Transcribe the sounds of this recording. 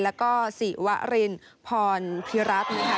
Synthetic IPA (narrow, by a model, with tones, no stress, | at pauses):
lɛː˦˥wkɔː˥˩si˨˩wa˦˥ʔɾe˧n | pʰɔː˧npʰi˦˥ɾa˦˥t̪̚na˧˩kʰa˦˥